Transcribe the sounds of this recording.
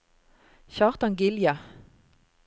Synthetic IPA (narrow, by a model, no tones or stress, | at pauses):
çɑːʁt̪ɑŋɡɪljɑ